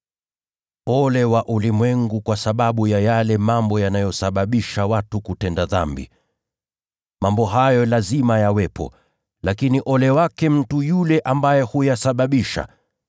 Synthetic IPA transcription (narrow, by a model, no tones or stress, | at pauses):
ɔlɛwaʔulimwɛŋɡukwasaɓaɓujajalɛmambɔjanajɔsaɓaɓiʃawatukutɛndaðambḭ | mambɔɦajɔlazimajawɛpʰɔ̰ | lakiniʔɔlɛwakɛm̩tujulɛʔambajɛhujasaɓaɓiʃa̰